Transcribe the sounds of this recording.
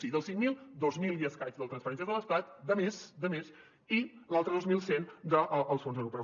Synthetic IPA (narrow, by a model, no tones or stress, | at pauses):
iðəlˠsiŋmilˠd̪ozmilˠjiəskajzðələt̪ɾənspəɾɛnsiəðələst̪at̪d̪əmesd̪əmes | ilalˠt̪ɾəðozmilˠsend̪əʔʔːlˠsfonzðəɾupɾə